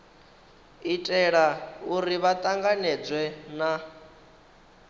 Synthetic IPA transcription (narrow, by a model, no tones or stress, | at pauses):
itʼɛɺauɾiβat̪ʼaŋɡanɛd͡zwɛna